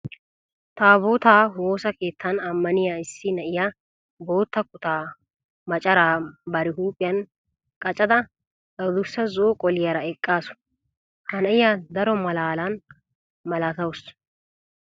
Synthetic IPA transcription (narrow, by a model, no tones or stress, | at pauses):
t̪aːboːt̪aːwo̞ːsɐke̞ːt̪ːɐnɐmːɐnɪjaːɪsːɪnɐʔɪja | bo̞ːt̪ːɐkʊt̪aː | mɐt͡ʃʼɐɾaːbɐɾɪɦuːpʼɪjɐn | kʼɐt͡ʃʼɐd̪ɐ | ɐd̪ʊsːɐzoːkʼɔlɪjɐɾɐɛkʼːaːsʊ̥ | hɐnɐʔɪjaːd̪ɐɾɔmɐlaːlan | mɐlat̪ɐwʊs